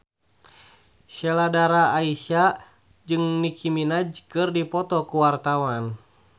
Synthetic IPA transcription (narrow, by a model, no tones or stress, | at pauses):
ʃɛladaɾaːiʃa | d͡ʒɨŋnikʰiminad͡ʒkɨrdipɔt̪ɔkuwart̪awan